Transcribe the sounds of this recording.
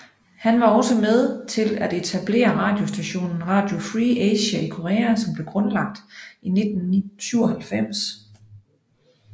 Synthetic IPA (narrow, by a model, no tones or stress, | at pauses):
hænʋɑ̈ɒ̽səmeð̞ˠt͡sʰe̝læd̥e̝t͡sʰæb̥le̝̰ːɐʁɑ̈ːd̥jo̝sd̥æɕo̝̰ːnn̩ʁɑ̰̈ːd̥jo̝fʁieɕæikʰo̝ʁɛːæsɒ̽mb̥le̝ɡ̥ʁɔ̽nlɑ̈ɡ̥̚d̥ine̝d̥n̩syʊɐhælfem̰s